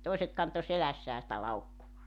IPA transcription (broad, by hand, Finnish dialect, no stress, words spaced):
toˑiset kɑnto selæsːæː sĭtæ lɑukːuʋɑː